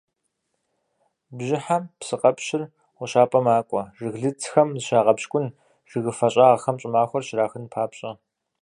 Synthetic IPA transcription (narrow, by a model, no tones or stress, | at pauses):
bʑɪħampsɨqʼɐpɕɪr | ʁʷʊɕaːpʼɐmaːkʷʼɔʐɨɣɮɨt͡sʰxɐmzɨʃaːʁɐpɕkʷʼʊn | ʐ̥ɨɣɨfɐɕʼɐːxɐmt͡ʃʼɪmaːxʷɔrʃɪraːxɨnpʰaːpɕʼɐ